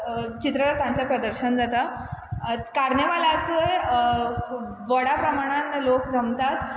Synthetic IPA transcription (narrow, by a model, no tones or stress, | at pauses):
t͡ɕit̪ɾək̪ãt͡ɕapɾəd̪əɾɕənd͡zat̪a | kaɾneʋalak̪əj | ʋəɽapɾəmaɽ̃ãnlokd͡zʱəmt̪at̪